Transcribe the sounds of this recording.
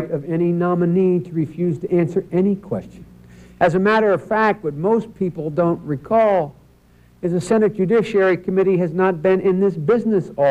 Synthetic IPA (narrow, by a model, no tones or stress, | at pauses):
ɾʌvɛninɑmɨnitʰəɹɨfjʉz̥tʰɨʔæ̃nsə˞ʔɛnikʰw̥ɛ̰st͡ʃɨ̃nʔɨzɨmæɾə˞ʌv̥fæk̚t̚wɨt̚moʊspʰipl̩ˠdõʊ̃nʔɹikʰɔlˠ | ɨzɨsɛnɨt̚ʒ̥ɨdɪʃiɛɹikʰɨmɪɾiɨznət̚b̥ɪ̃nɪ̃nðɪsb̥ɪznɨsɔ